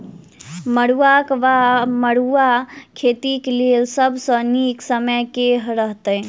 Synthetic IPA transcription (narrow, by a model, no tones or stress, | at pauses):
məɽuakʋaməɽuakʰet̪iklelsəbʱsə̃niksəməjkeɦɾəɦt̪əj